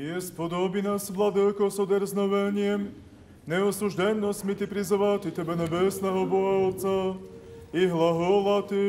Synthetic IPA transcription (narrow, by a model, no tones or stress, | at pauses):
jɛspɔd̪obinasblˠad̪ɛkɔsɔd̪ɛɾznɔʋɛɲɪɛm | nɛɔsuʒd̪ɛnnɔsmit̪ipɾizɔvat̪it̪ɛbɛnɛbɛsnɛɦɔbɔɦat͡sa | iɦlˠaɦɔlat̪i